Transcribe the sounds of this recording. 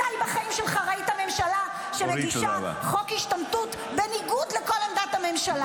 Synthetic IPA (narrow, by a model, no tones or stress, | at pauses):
ajbaχaimʃelχaʁaithame̞mʃala | ʃemeɡiʃa̰χokhiʃtamtut | beniɡud̪leko̞land̪at̪hame̞mʃala